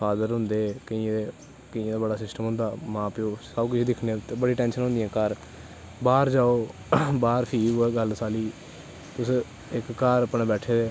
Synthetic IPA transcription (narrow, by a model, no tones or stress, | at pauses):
pʰaːd̪əɾɦʊnd̪eːkəĩeː | kəĩd̪aːbəɽaːsɪsʈəmɦʊ̃nd̪aːmãːpɪoːsəbkʊt͡ʃʰːd̪ɪkʰnet̪ebəɽiːʈɛ̃ːnʃənɦʊ̃nd̪ijãːkəɾ | baːɾd͡ʒaːoː | baːɾpʰiːueːɡəlsaːliː | t̪ʊs | ɪkːaːɾəpnẽːbɛːʈʰeːd̪eː